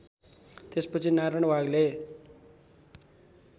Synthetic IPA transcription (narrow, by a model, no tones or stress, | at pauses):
t̪espʌt͡sʰinaɾʌɽ̃waɡle